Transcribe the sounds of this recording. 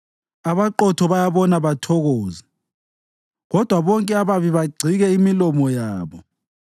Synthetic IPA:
aβaǃɔtʰɔβajaβɔnaβatʰɔɣɔːza | ɣɔd̥ʱwaβɔŋkʼɛaβaβiβaɡ͡ǀʱiɣɛimilɔmɔjaːβɔ

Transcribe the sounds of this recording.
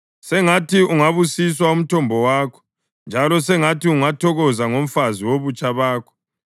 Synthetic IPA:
sɛŋatʰiuŋaβusis̬waum̩tʰɔmbʱɔwaːkʰɔ̥ | nd͡ʒʱalɔsɛŋatʰiuŋatʰɔɣɔzaŋom̩faziwoβut͡ʃʼaβaːkʰɔ̥

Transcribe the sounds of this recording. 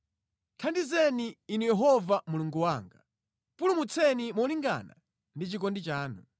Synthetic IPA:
tʰandizɛniːnujɛɦɔvamuluŋɡuwaːŋɡa | pulumut͡sʰɛnimɔliŋɡa̰na̰ | ndit͡ʃik̬ɔndit͡ʃaːnṵ

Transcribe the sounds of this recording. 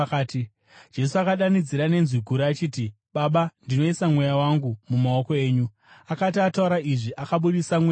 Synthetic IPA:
kːti | d͡ʒe̞suakaɗanid͡ziɾane̞nzwiɡʱuɾiːt͡ʃiːti | ɓaɓandino̞isamwe̞jawaŋɡumumao̞ko̞e̞ːɲu | akatiatauɾaʔiʐiʔakaɓuɗisamwe

